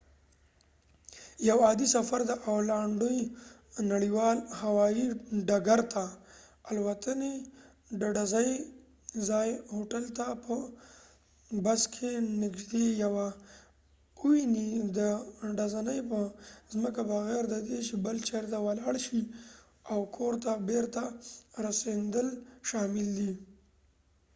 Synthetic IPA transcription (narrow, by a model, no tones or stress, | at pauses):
jawɑd̪isafaɾd̪əʔawlaɳɖəj | naɽiwɑlhawɑjiɖaɡaɾt̪ʰa | alwat̪ane | ɖaɖazaj | zɑjhoʈalt̪apə | baskʰenɪɡʒd̪ejawa | uwinid̪əɖazanəjpəzməkabaɣeɾd̪ad̪et͡ʃebəlt͡ʃaɾt̪awalɑɽʃi | awkʰoɾt̪abeɾt̪aɾasend̪əlʃɑmɪld̪i